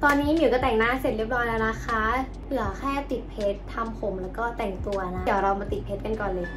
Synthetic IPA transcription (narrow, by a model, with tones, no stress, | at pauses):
t̪ɔː˧nːiː˦˥jiː˨˩kɔ˥˩t̪ɛː˨˩ŋnaː˥˩se˨˩t̪̚ɾi˥˩əp̚nɔː˦˥jlɛː˧˥˩na˦˥kʰa˦˥ | lɯ˨˩˦ɐ˦kʰɛː˥˩t̪i˨˩t̪̚pʰe˦˥t̪ʰːa˧mpʰo˩˦mlɛː˦˥wkɔː˥˩t̪ɛ˨˩ŋt̪u˧ɐna˦˥˩ɾa˧maː˧t̪i˨˩pʰeː˦˥t̪̚ka˧nkɔː˨˩lɤː˧j